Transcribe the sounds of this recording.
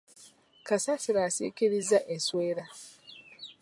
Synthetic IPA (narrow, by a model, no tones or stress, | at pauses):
kasasiɾasḭkiɾizːaʔensweːɾa